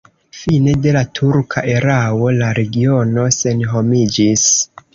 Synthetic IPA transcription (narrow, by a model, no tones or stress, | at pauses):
fine̞de̞latʰuɾkʰa̰ʔe̞ɾawo̞laɾe̞ɡio̞no̞se̞nɦo̞mid͡ʒis